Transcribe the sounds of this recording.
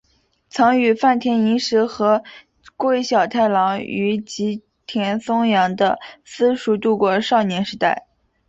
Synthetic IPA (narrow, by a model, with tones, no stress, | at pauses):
t͡sʰɑ˧˥ŋy˨˩fa˥˩nt̪ʰjɛ˧˥ni˧˥ʂɻ̩˧˥xɤ˧˥ | kwe˥˩ɪɕjɑ˨˩ʊt̪ʰa˥˩ɪlɑ˧˥ŋy˧˥t͡ɕi˧˥ | t̪ʰjɛ˧˥nsʊ˥ŋjɑ˧˥ŋd̪ə̰˧sɹ̩˥ʂu˧˥t̪u˥˧kwɔ˥˧ʂɑ˥˩ʊnjɛ˧˥nʂɻ̩˧˥t̪a˥˩ɪ